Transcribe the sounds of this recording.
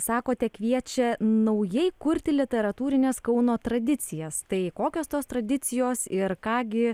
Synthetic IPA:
sɑːkoːt̪ʲɛkʋʲiɛt͡ʃʲɛnɐʊjɛɪkʊɾʲt̪ʲɪlʲɪt̪ʲɛɾɐt̪uːɾʲɪnʲeːskɐʊnoːt̪ɾɐd̪ʲɪt̪t͡s̪ʲɪjɛst̪ɐɪkoːkʲoːst̪oːst̪ɾɐd̪ʲɪt̪sʲɪjoːsɪɾkɑːɡʲɪ

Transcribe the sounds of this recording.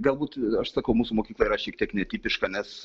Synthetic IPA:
ɡɐlˠbuːt̪ɐʃsɐkɐʊmuːsumoːkʲiːklˠɐiːɾɐʃʲiɛkt̪ʲiɛknʲɛt̪ʲiːpʲɪʃkɐnʲɛs

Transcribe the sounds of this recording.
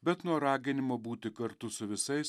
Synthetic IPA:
bʲɛt̪nuɔɾɑːɡʲɪnʲɪmoːbuːt̪ʲɪkɐɾt̪ʊsʊʋʲɪsɐɪs

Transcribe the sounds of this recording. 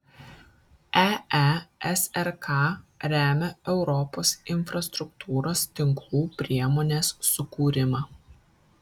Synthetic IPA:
ææɛsɛɾkʰɑɾʲæːmʲɛɛʊɾɔpoːsɪnʲfɾɐst̪ɾʊk̚t̪ʰuːɾoːst̪ʲɪŋklˠuːpʲɾʲiɛmoːnʲeːsːʊkuːɾʲɪmɑː

